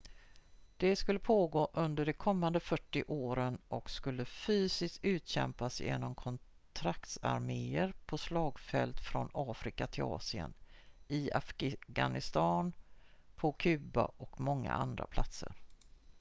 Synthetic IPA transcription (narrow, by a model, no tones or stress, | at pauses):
d̪̥ɛskɵlːəpʰoːɡoːʔɵnd̪əɖɛkʰɔmːand̪əfœʈːɪʔoːɾənʔɔkskɵlːəfyːsɪst̪ʉ̟ːt̪ɕɛ̰mpasjḛːnɔmkʰɔn | t̪ʰɾakt̪sa̰ɾmeːəɾpʰɔslɑːɡfɛ̰lt̪fɾɔnɑːfɾɪkat̪ʰɪlɑ̰ːsɪə̰nɪafɡɡa̰nɪst̪ɑːnpʰɔkʰʉ̟ːba̰ʔɔkmɔŋːa̰ʔa̰nd̪ɾa̰pʰlat̪sə̰ɾ